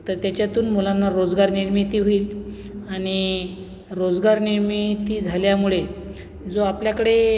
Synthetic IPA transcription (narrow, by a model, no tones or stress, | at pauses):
t̪əɾt̪jat͡ɕjat̪uːnmulanːaɾod͡zɡaɾniɾmit̪iːʋoiːl | aɽ̃i | ɾod͡zɡaɾniɾmit̪iːd͡zʱaljamuɭe | d͡zoapljakəɽe